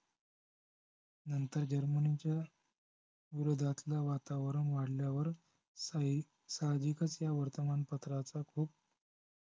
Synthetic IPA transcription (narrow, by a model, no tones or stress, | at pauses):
nənt̪əɾd͡ʑəɾmənit͡ɕja | ʋiɾod̪ʱat̪laʋat̪aʋɾəɳʋaɽljaʋəɾ | sad̪ikət͡sjaʋəɾt̪əmanpət̪ɾat͡sakʰuːp̚